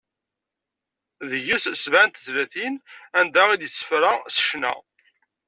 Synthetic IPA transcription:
ðəjussvænt̪əzlæθinænd̪æʁid̪jəsːə̥fɾæsə̥ʃnæ̰

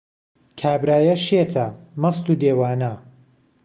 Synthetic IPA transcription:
kʰaːbɾaːjɐʃet̪ʰɐmɐsluːd̪eːwaːnɐ

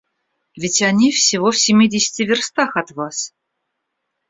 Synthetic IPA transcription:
vʲɪtʲanʲifsʲivofsʲɪmʲidʲɪsʲtʲɪvʲɪrst̪ɑxɑt̪vɑs

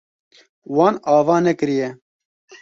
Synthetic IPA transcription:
wɑːnɑːvɑːnɛkɨɾijɛ

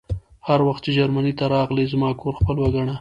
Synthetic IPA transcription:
haɾwaxt̪t͡ʃed͡ʒaɾmanit̪aɾɑɣlizmɑkoɾxpəlwaɡaɳa

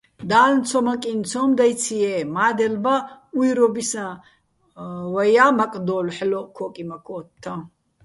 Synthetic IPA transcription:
d̪aːlnt͡sʰɔmakʼint͡sʰɔmd̪ajt͡sʰiɛːmaːd̪ɛlbaujɾɔbisã | wajamakʼd̪ɔːlħlɔkʰɔkʼimakʰɔːt̪̚ʰt̪ʰːa

